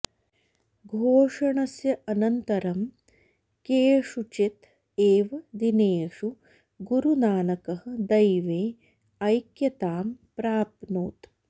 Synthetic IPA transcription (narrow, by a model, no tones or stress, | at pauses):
ɡʱoːʂɐɳɐsjɐʔɐnɐnt̪ɐɾɐm | keːʂut͡ʃit̪ | eːʋɐd̪ineːʂu | ɡuɾunaːnɐkɐɦɐd̪ɐjʋeː | ɐjkjɐt̪aːmpɾaːpnoːt̪